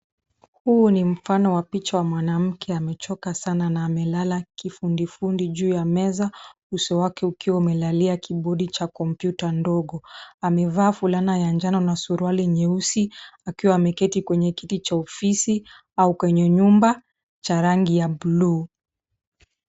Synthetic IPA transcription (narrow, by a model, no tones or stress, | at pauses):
hunim̩fanɔwapit͡ʃawamwanam̩kʰɛamɛt͡ʃɔkasananaːmɛlalakifundifundiʄuːjamɛza | usɔwakɛukiwaumɛlaliakiɓɔɗit͡ʃakɔmpjutandɔɡɔamɛvaːfulanajand͡ʒanɔnasuɾwaliɲɛusiakiwaːmɛkɛtikwɛɲɛkitit͡ʃaɔfisi | aukwɛɲɛɲumba | t͡ʃaɾaŋɡijablu